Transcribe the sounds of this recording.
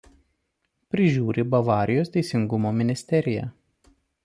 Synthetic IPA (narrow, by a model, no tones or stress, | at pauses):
pʲɾʲɪʒʲuːɾʲɪbɐʋɑːɾʲɪjoːst̪ʲɛɪsʲɪŋɡʊmoːmʲɪnʲɪsʲt̪ʲɛɾʲɪjɛ̰